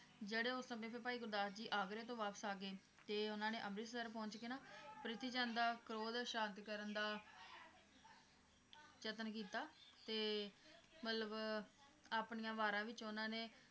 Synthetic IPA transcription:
d͡ʒeːɽeːʊsəmẽːpʰepaːiːɡʊɾd̪aːsd͡ʒiːʔaːkɾeːt̪̬õːʋaːpəsaːɡeː | t̪eːʊnãːneːʔəmɾɪssəɾpɔ̃ːɲt͡ʃkɪnaːpɾɪt̪iːt͡ʃə̃ːnd̪aːkɾoːd̪ʃãːnt̪kəɾənd̪aː | t͡ʃət̪ənkiːt̪aːt̪eː | mət̪ləb | aːpnijãːʋaːɾãːʋɪt͡ʃʊnãːneː

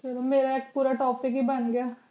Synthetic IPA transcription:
t͡ʃɐlomeːɾaeːk̚puːɾaʈɔːpɪkɦibɐnɡejaː

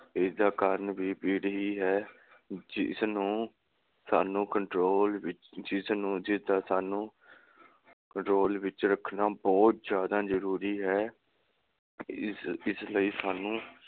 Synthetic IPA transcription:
ɪsd̪aːkəɾnʋiːpiːɽɦiːɦɛː | d͡ʒɪsnũː | saːnũːkəɳʈɾoːlʋɪt͡ʃd͡ʒɪsnũːd͡ʒɪsd̪aːsaːnũː | kəɳʈɾoːlʋɪt͡ʃɾəkʰnaːbɔːt̪zjaːd̪aːzəɾuːɾiːɦɛː | ɪsləiːsaːnũː

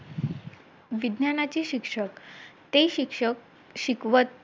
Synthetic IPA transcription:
ʋid̪ʱnjanat͡ɕiɕikʂəkt̪eɕikʂək | ɕikʋət̪̚

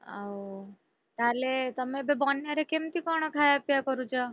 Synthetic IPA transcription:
a̰ | t̪alet̪əmẽbebɔnːeɾekemt̪ikɔɽ̃ɔkʰajpjakɔɾut͡ʃʰɔ

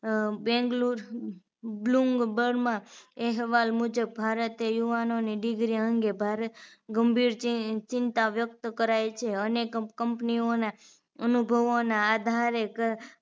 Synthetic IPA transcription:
bɛ̃ŋɡluɾ | bluŋɡbəɽmãeɦɛʋalmud͡ʒəb̚ːʱaɾət̪ejuʋanoniɖiɡɾiəŋɡebʱaɾət̪ɡəmbʱiɾt͡ʃɪnt̪aʋjəkt̪kəɾajt͡ʃʰeənekkəmpniona | ənubʱəʋonaːd̪ʱaɾek

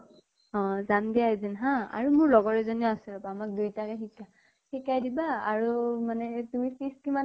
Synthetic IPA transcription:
ɔ̃zandijaezinɦãa̰ɹumʊɹlɔɡɔɹɛzɔniasilɔpaːmak̚dujtakɛxikːa | xikajdibaːɹumanɛtumipiskima

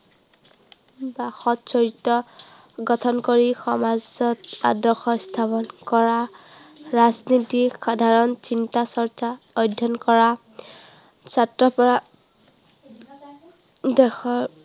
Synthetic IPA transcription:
baxɔtsɔɹitːɔɡɔtʰɔnkoɹixɔmazɔta̰dɔxɔst̪ʰapɔnkɔɹa | ɹaznitixadʱaɹɔnsintasɔɹt͡ʃa | ɔjdʱːɔnkɔɹa | satɹɔpɔɹa | dɛxɔ

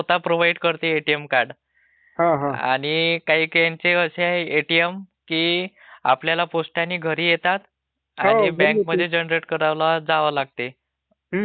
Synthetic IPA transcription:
ot̪apɾoʋaiɖkəɾt̪eeʈijemkaɾɖ | ɦãɦãa̰ɽ̃ikaɦiːkjaɲt͡ɕeəɕeeeʈiem | kiː | a̰pljalaposʈanːiːɡʱəɾiːjet̪at̪ | aɦibɛ̃km̤əd̪ʱːjed͡ʑenɾeʈkəɾaʋlad͡zaʋəːlaɡ̚t̪e

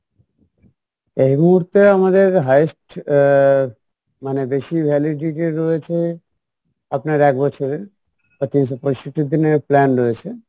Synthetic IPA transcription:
eɦimuɦuɾt̪eamad̪eɾɦajsʈ | manebeʃibʱɛliɖiʈeɾɔet͡ʃʰe | apnaɾɛk̚bɔt͡ʃʰoɾe | ət̪insɔpɔʃiʈid̪ineplɛnɾɔet͡ʃʰe

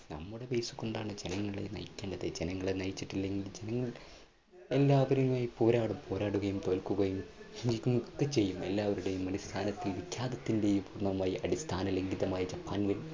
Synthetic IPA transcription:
nɐ̰mːuɽe̞ʋeːsu̥ko̞ɳɖaːɳɨd͡ʑe̞nɐŋːɐɭḛnɐ̰jikʲːeːɳɖɐðɨd͡ʑe̞nɐŋːɐɭenɐjt͡ɕːiʈːilːe̞ŋɡlild͡ʑe̞nɐŋːɐɭ | e̞lːaːʋɐɾijumaːjipo̞ːɾaːɽumpo̞ːɾaːɽuɣɐjumt̪o̞ːlkuɣɐjumiɲd͡ʑikʲːumk̪ːɨt͡ɕːe̞jːumelːaːʋɐɾuɽe̞jumɐɽist̪ʰaːnɐt̪ːilʋikʲjaːðɐt̪ːinde̞jupuːrɳɐmaːjiʔɐɽist̪ʰaːnɐleŋɡiðɐmaːjit͡ɕɐpːaːnʋil

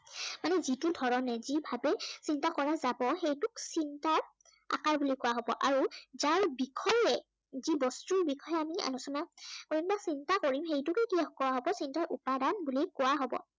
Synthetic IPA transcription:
manɛzitudʱɔɹɔnɛzibʱabɛsintakɔɹazabɔxejtʊksintaɹ | a̰kaɹbulikʊwaɦɔbɔ̰ʔaɹuzaɹbikʰɔjɛ | zibɔstuɹbikʰɔjɛamia̰nusɔnakoɹimbasintakoɹimɦejtʊkɛkiakɔwaɦɔbɔsintaɹʔupadanbulikʊwaɦɔbɔ̰

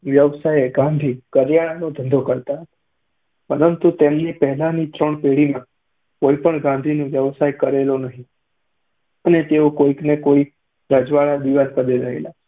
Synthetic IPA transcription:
ʋjəʋsajeɡãnd̪ʱikəɾjaɽ̃anod̪ʱə̃nd̪ʱokəɾt̪aɦət̪ḁ | pəɾənt̪ut̪emnipɛɦɛlanit̪ɾəɳpeɽimã | koipəɳɡãnd̪ʱinõʋjəʋsajkəɾelonəɦĩ | ənet̪eokoiknekoi | ɾəd͡ʒʋaɭad̪iʋaɾkəd̪eɾəɦḛla

